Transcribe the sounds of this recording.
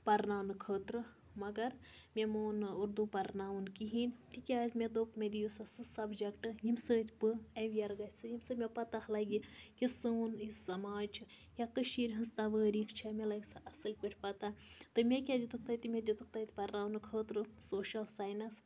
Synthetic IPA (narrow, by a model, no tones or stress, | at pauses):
pɐɾnaːwnɨkʰəːt̪ɾɨ | mɐɡɐɾmʲemoːnɨuɾd̪upɐɾnaːʋunkiɦint̪ikʲaːzʲmʲed̪oːpmʲed̪ijusasusɐbd͡ʒɐkʈɨjimsəːt̪ʲpɨeʋijɐɾɡɐt̪ʲsɨjimsɨmʲepɐt̪axlɐɡʲikisənisɐmaːd͡ʒt͡ʃʰɨ | jakəʃiːɾʲɦɐnzt̪aʋəːɾiːkt͡ʃʰamʲelaɡʲsaʔɐsɨlʲpʲeʈʰʲpɐt̪at̪ɨmʲekʲad̪it̪ukʰt̪at̪imʲed̪ʲiut̪uk̚t̪at̪ʲpɐɾnaːʋnɨkʰəːt̪ɾɨsoːʃɐlsaːjnɐs